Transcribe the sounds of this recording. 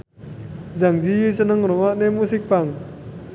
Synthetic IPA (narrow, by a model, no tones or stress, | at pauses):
zaŋziisənaŋɾɔŋaʔnɛmusik̚paŋ